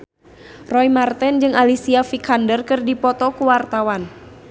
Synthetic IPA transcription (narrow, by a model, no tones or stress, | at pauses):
rɔijmart̪ɛnd͡ʒɨŋalisiafikʰandərkɨrdipɔt̪ɔkuwart̪awan